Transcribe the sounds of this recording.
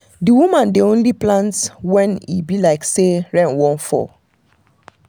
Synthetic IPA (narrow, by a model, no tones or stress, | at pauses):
diwumãndiõnliplãntwɛ̃nḭbilaɪkseɹɛ̃nwɔ̃nfɔ̰